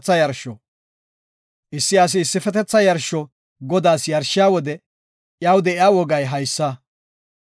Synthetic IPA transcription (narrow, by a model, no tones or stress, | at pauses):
t͡sːɐjɐɾʃɔ | ʔɪsːɪɐs̬ɪːsːɪfɛt̪ɛt͡sːɐjɐɾʃɔ | ɡɔd̪aːsjɐɾʃːɪjaːwɔd̪ɛ | ʔjawd̪ɛɪjaːwɔɡɐjɦɐjsːɐ